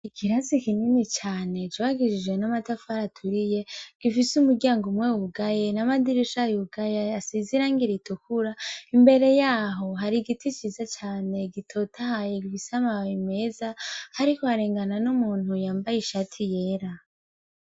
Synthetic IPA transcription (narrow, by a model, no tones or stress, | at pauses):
ikʰiɾazikininit͡ʃaːne̞t͡ʃoaɡid͡ʒid͡ʒɡwenamatafaɾatʰuɾije̞ɡ̥ifisumuɾɟaːŋɡomwewuɡajenamadiɾiʃajuuɡajaasiziɾaːŋɡiɾitukuɾaimbe̞ɾe̞jaːɦo̞ɦaɾiɡitit͡ʃizat͡ʃaːne̞ɡitʰo̞tʰahajeɡifisamawime̞zahaɾikohaɾeːŋɡananumuːn̥hujaːmbajiʃatʰije̞ːɾa